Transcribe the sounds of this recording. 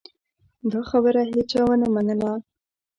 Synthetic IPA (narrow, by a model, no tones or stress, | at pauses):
d̪ɑxabəɾaɦet͡ʃɑwənamanəla